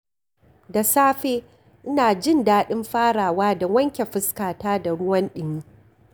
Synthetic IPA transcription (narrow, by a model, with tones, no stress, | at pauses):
da˨saː˦ɸeː˦ | ʔɪ˦naː˨d͡ʒɪ˦ndaː˦ɗɪ˦mɸaː˦ɽaː˨waː˦dɐ˨wɐ˦ŋkʲe˨ɸɪ˦skaː˨taː˦da˨ɽʊ˦wɐ˦nɗɪ˦ɲi˦